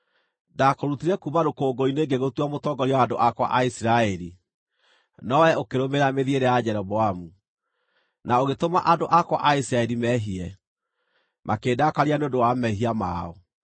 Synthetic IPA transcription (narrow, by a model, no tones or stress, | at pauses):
dakoɾutiɾɛkumaɾokoːɡoineːŋɡeɣotwamotɔɡɔɾiwaːndoʔakwa̰ʔaisiɾaɛɾi | nɔwɛokeɾomeɾameðieɾɛjad͡ʑɛɾɔβɔamu | naoɣetoma̰ʔadoʔakwaʔaisiɾaɛɾimɛɦiɛ | mʔakeːdakaɾianeondowamɛɦiama̰ɔ